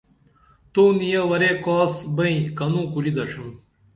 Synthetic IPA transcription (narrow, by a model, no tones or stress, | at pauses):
t̪oːnijɐʋɐɾekoːsbɐĩkɐnũːkuɾid̪ɐʂum